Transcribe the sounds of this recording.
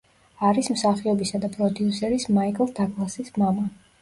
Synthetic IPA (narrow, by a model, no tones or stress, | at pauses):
aɾismsaχiɔbisad̪apʼɾɔd̪iusɛɾismaikʼlˠd̪akʼlˠasismama